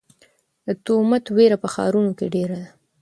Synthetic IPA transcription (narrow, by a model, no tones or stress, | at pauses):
d̪ət̪omat̪weɾapəxɑ̰ɾunokeɖeɾad̪a